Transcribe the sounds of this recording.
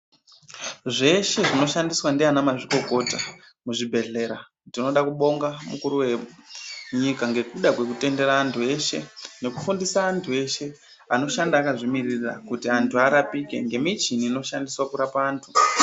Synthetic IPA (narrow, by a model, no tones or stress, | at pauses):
ʐe̞ʃe̞ʐino̞ʃandiswandianamaʐiko̞ko̞ta | muʐibʱe̞ɮe̞ɾa | dino̞ɗakuɓo̞ŋɡamukuɾuwe̞ | ɲikaŋɡe̞kuɗakwe̞kute̞ndeɾaːntʰue̞ʃe̞̰ne̞kufundisaːntʰue̞ʃe̞ | ano̞ʃandaːkaʐimirira̰kutiantʰuaɾapike̞̰ŋɡe̞mit͡ʃiniːno̞ʃandiswakuɾapaːntʰu̥